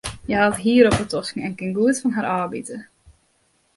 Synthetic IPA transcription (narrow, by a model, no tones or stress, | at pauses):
jəɦatɦiəɾɔpətɔskəŋ̩ɛnkɪnɡuətfɔnɦaɾʔaːbḭtə